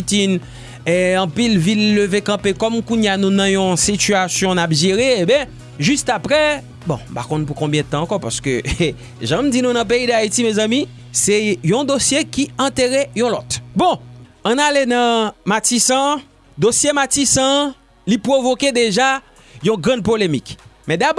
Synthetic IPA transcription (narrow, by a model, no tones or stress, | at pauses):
it̪in | ɛɑ̃pilvilːøvekɐ̃pekɔmkũɲjanũnɐ̃jɔ̃sityasjɔ̃napʒeʁeebjɛ̃ | ʒyst̪apʁɛ | bɔ̰̃pakɔ̃np̬ukɔ̃bjɛ̃d̪ət̪ɑ̃ːkɔpa̰ʁsə̥kø | ʒãmdinũnɐ̃p̬eid̪ait̪imezãmi | sɛjɔ̃d̪osjekiɐ̃t̪eʁɛjɔ̃lɔt̪bɔ̃ | ãnalenɐ̃matisã | d̪osjematisɐ̃ | lipʁovoked̪eʒa | jɔ̃ɡʁɐ̃d̪̚polemik | mɛ̃d̪ab